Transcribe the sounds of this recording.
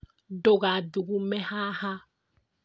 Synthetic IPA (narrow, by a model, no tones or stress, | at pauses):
ɖoɣaduɡumɛhaha